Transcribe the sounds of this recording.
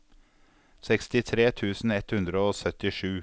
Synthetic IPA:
sɛkst̪ɪt̪ʰɾeːt̪ʰʉːsn̩ɛt̪hʉnd̪ɾəoːsœt̪ɪʂʉː

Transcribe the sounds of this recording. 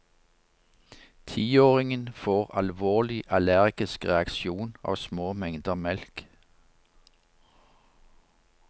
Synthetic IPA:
t̪ʰiːoːʁɪŋənfoːʁɑlʋoːlɪʔɑlæʁɡ̥ɪskʁɛɑkʃuːnɑ̰ːʋsmoːmɛŋd̪əmɛlk

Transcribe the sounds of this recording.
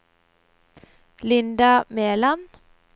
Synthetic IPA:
lɪnd̪ɑmeːlɑn

